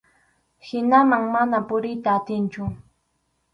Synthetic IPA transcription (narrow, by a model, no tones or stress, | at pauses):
hɪnamaŋmanapʊɾɪjt̪aːt̪ɪnt͡ʃʊ